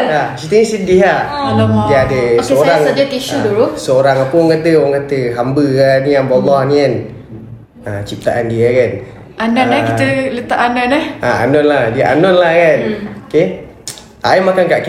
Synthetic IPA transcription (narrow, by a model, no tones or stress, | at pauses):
asit̪ənisədiɦaɔdiəadəsoɾaŋd͡ʒət̪iʃud̪uɾusəoɾaŋapəɔŋkat̪əɔŋkat̪əɦambəaniaŋbɔlɔhnikan | at͡ʃip̚t̪aʔandiakan | ʔananakiələt̪aʔananahʔaa̰nɔnlahdiəʔa̰nɔnlahkanoke | ʔa̰imakankaʔk